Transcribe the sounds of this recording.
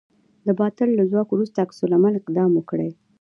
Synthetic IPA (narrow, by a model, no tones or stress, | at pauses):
d̪əbɑt̪allazwɑkowɾust̪aːksulamalɪqd̪ɑmwəkɽəj